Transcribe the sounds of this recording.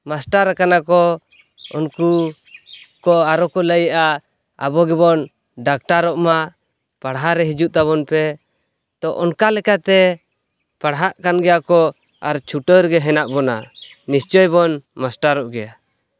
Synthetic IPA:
masʈaɾakanakɔ | unku | kɔaɾɔkɔləjʔa | a̰bɔɡɛbɔn | ɖak̚ʈaɾɔʔma | paɽɦaɾɛɦid͡ʒuʔt̪aβɔnpɛ | t̪ɔʔɔnkalɛkat̪ɛ | paɽɦaʔkanɡɛjakɔ | aɾt͡ʃʰuʈəɾɡɛɦɛnaʔbɔna̰ | nist͡ʃɔjbɔnmasʈaɾɔʔɡɛja

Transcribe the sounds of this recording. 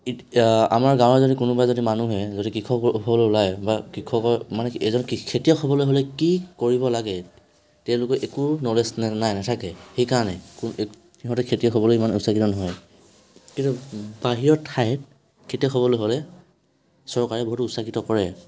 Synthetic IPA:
i | a̰maɹɡãw̃ɔzodikunubajzodimanuɦɛzodikɹikʰɔkɔupʰɔbɔlojulajbakikʰɔkɔmanɛɛzɔnkikʰetijɔkʰɔbɔlojɦolɛkikoɹibɔlaɡɛ | tɛʊ̃lʊkɔʔekunɔlesnɛnajnatʰakɛxejkaɹɔnɛku | iɦɔtɛkʰetiɔkxʰɔbɔlojimanusakitɔnɔɦɔj | kintubaɦijɔɹtʰajɛt | kʰetiɔkʰɔβɔlojɦolɛ | sɔɹkaɹɛboɦutʊsakitɔkɔɹɛ

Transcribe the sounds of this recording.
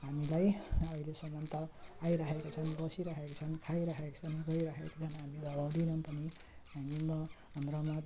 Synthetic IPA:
ɦamilajʌilesʌŋɡʌnt̪ʌajɾʌɦekot͡sʰʌnbʌsiɾʌɦekot͡sʰʌnkʰajɾʌɦekot͡sʰʌniɡʌjɾʌɦekot͡sʰʌnɦamid̪ʌbawd̪inʌmpʌniɦamimʌ | mroma

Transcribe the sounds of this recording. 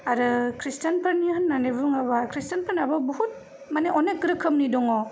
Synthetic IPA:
aɾɯkʰɾistanpʰɐɾniɦɯnːanebuŋaβakʰɾistɐnpʰɐɾnabɐbɔhut̚ | maneʔɔnekɡɯɾɯkʰːɯmnidɔŋɔ

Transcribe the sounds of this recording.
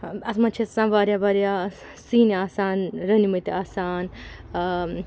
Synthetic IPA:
ɐsmɐ̃t͡ʃʰisãʋaːɾjaʋaɾja | siːniaːsaːnɾɐnimɐt̪iaːsaːn

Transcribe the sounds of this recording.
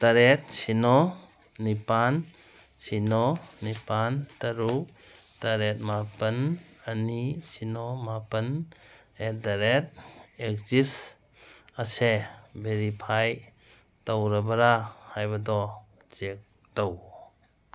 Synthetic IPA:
taɾet̚sinɔː | ipan | sʰinɔnipantaɾu | taɾet̚mapənanisinɔmapən | edaɾet̚ek̚d͡ʒis | asebʱeɾipʰaj | tawɾabaɾahajbadɔ | d͡ʒek̚ | tɔw

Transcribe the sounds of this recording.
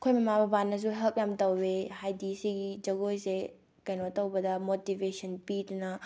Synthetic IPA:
kʰojmɐmabɐbanːɐs̬uɦɛlp̚jamtɐwːehajdisiɡid͡ʒɐɡojse | kajnɔɐtɐwbɐdɐmotibesɐnpidunɐ

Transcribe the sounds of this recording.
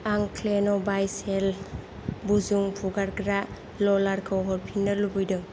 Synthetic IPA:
aŋkʰlenɔbajsel | buzuŋpʰuɡaɾɡɾa | lɔlaɾkʰawɦɔɾpʰinːəlubujdɯŋ

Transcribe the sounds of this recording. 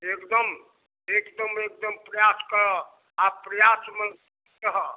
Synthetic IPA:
ekd̪əm | ekd̪əmek̚d̪əmpɾəjaskəɾə | apɾəjasmənsi | kəɦə

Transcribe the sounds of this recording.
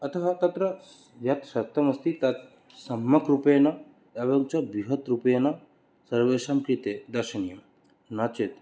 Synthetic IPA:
ɐt̪ʰɐɦɐt̪ɐt̪ɾɐ | ʋjɐt̪ʃɐt̪ʰːɐmɐst̪ʰit̪ɐt̪ | sɐmːɐkɾupeɐnɐ | ɐʋɐŋt͡ʃɐbiɦɐt̪ɾupɐjɐnɐ | sɐɾʋeːʃɐmkɾit̪eːd̪ɐɾʃɐnijɐm | nɐt͡ʃet̪

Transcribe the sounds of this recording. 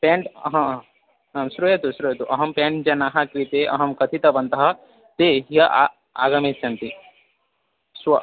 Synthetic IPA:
pẽːɳʈɦɐ̃ | ɦɐ̃sɾuet̪usɾujet̪uʔɐɦɐmpẽːɳʈd͡ʒɐnaːɦakɾit̪eʔɐɦɐmkɐt̪ʰit̪ɐbɐnt̪ɐɦɐ | t̪eɦijɐʔa | a̰ːɡɐmet͡ʃːɐnt̪i | swɐ

